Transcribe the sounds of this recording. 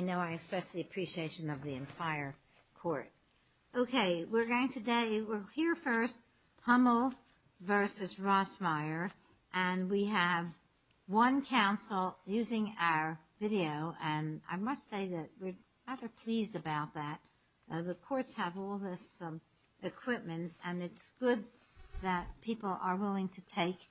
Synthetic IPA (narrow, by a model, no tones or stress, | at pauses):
aɪnoʊaɪɨkspɛst̩ðˠiɨpʰɹ̥iʃieɪʃɨ̃nʌvðiɨ̃ntʰaɪə˞ | kʰɔɹt̚ | oʊkʰeɪwɪɹɡoʊɪ̃ŋtʰɨdeɪwɪɹhiɹfɜ˞st̚ | hʌ̃mbl̩ˠ | vɜ˞sɨzɹɔsmaɪə˞ | ʔɨ̃nwiɨv | wʌ̃nkʰãʊ̃nsl̩ˠjʉzɪ̃ŋaʊə˞vɪɾioʊʔɨ̃na̰ɪmʌstseɪðɨt̚wɪɹ | ɹæðə˞pʰl̥izdɨbaʊt̪̚ðæt̚ | ðəkʰɔɹtshəvɔlˠðɪs | ɨkʰw̥ɪp̚mɨ̃ntɨ̃nɨtsɡ̥ʊd̪̚ | ðɨt̚pʰipl̩ˠə˞wɪlˠɪ̃ŋtʰɨtʰeɪk